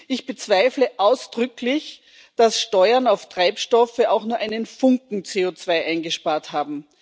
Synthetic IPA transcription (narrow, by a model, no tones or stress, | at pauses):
ʔɪçb̥ət͡sv̥aɪfləʔaʊsd̥ʁʏklɪç | d̥asʃtɔʏɐnaʊftʁ̥aɪpʃtɔfəʔaʊxnuːɐʔaɪnənfʊŋkŋ̩t͡seːot͡sv̥aɪʔaɪnɡəʃpaːɐthaːbm̩